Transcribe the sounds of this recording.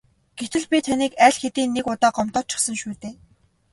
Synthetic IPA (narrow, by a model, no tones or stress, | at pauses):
ɡ̥et̪ɘ̆ɮpʲit̪ʰaniːkæɮxet̪iːnːekʊt̪ɔːɢɔmt̪ɔːt͡ɕʰɪ̥̆χsə̆ŋʃuːt̪eː